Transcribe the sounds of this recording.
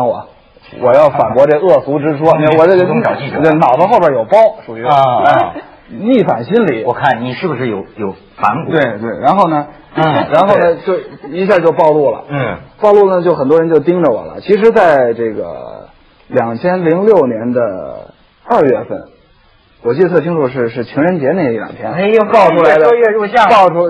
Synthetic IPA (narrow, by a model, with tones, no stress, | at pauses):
wɔ̰˨˩ | wɔ˨˩jɑ˥˩ʊfa˨˩kwɔ˧˥ʈ͡ʂe˥˩ə˧ɤ˥˩su˧˥ʈ͡ʂɻ̩˥ʂwɔ˥˧˥wɔ˨˩ʈ͡ʂɡə˧ɑ˨˩t͡ɕi˥˩˧e˧˩nɑ˨˩ʊd̪ə˦xo˥˧pʰjə˧˥jo˨˩ʊpɑ˥ʊʂu˨˩y˧˥˧ | ni˥˩fa˨˩nɕi˥nli˨˩˦wɔ˨˩kʰa˥˩nni˨˩ʂɻ̩˥˩bu˩ʂɻ̩˥˩jo˨˧˦ʊjo˨˩ʊ | fa˧˥nkt̪we˥˩ɪt̪we˥˩ɪɻa˧˥nxo˥˩ʊnə˩˥ | ɻa˧˥nxo˥˩ʊnə˩t͡ɕjo˥˧˩ʊi˧˥ɕja˥˧˩t͡ɕjo˥˧ʊpɑ˥˧ʊlu˥˩lə̰˩pɑ˥˧ʊlu˥˩nə˩t͡ɕjo˥˩ʊxə˨˩nt̪wɻə˧˥nt͡ɕjo˥˧ʊt̪i˥ŋʈ͡ʂə˨wɔ̰˨˩lə̰˦t͡ɕʰi˧˥ʂ̬ɻ̩˧˥t͡sa˥˧ɪʈ͡ʂɤ˥˩ɡə̰˩ | ljɑ˨˩ŋt͡ɕʰjɛ˥nli˧˥ŋljo˥˩ʊnjɛ˧˥nd̪ə̰˧ | ɐ˞˥˧ɥɛ˥˧fə̰˥˩n | wɔ˨˩t͡ɕi˥˩˧ə˧t̪ʰɤ˥˩i˥ŋʈ͡ʂʰu˧˩ʂɻ̩˥˧ʂɻ̩˥˩t͡ɕʰi˧˥ŋɻə˧˥nt͡ɕjɛ˧˥ne˥˩ɡi˥˩ljɑ̰˨˩ŋp̪ʰjɛ˥n˥pɑ˥˧ʊʈ͡ʂʰu˥la˧˥ɪd̪ə˥˧ɥɛ˥˧ɻu˥˧ɕjɑ˥˧ŋpɑ˥˧ʊʈ͡ʂʰu˥